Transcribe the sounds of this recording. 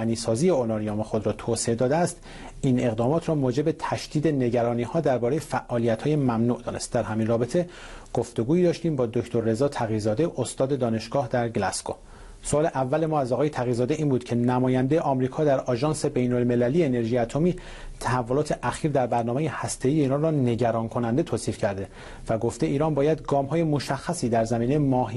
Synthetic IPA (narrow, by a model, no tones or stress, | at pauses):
niːsɒːzije̞olɒɾioːmexod̪ɾɒːt̪ʰoːseed̪ɒːd̪eæst̪ | iːne̞ɣd̪ɒːmɒːt̪ʰɾɒːmoːd͡ʒe̞bet̪ʰæʃd̪̥iːd̪e̞ne̞ɟæɾɒːniːhɒːd̪æɾbɒːɾeje̞fæʔʔɒːlijæt̪hɒːje̞mæmnuːʔd̪ɒ̰ːne̞st̪̚d̪æɾɦæmiːnrɒːbet̪ʰe̞ | ɡ̥o̞ft̪o̞ɡuːiːd̪ɒːʃt̪iːmbɒːd̪ocʰt̪ʰo̞ɾːe̞zɒːt̪ʰæɣizɒːd̪e̞ʔost̪ɒːd̪e̞d̪ɒːne̞ʃɡ̥ɒːhd̪æɾɡlæsko | soʔɒːle̞ʔævːæle̞mɒːæzɒːɣɒːje̞t̪ʰæɣiːzɒːd̪e̞ʔiːnbuːd̪̥cʰe̞næmɒːjænd̪e̞jeʔɒːmɾiːkʰɒːd̪æɾɒʒɒːnse̞be̞jnolme̞lælijeːne̞ɾʒijæt̪ʰomiː | t̪ʰæhævːo̞lɒːt̪ʰe̞ʔæxiːɾd̪æɾbæɾnɒːmejehæst̪ʰe̞iːjeiːɾɒːnrɒːne̞ɟæɾɒːnkʰo̞nænd̪e̞t̪ʰoːsiːfcʰæɾd̪e̞ | væɡo̞ft̪eʔiːɾɒːnbɒːjæd̪ɡɒːmhɒːje̞moʃæxːæsiːd̪æɾzæmiːnejemɒːɦi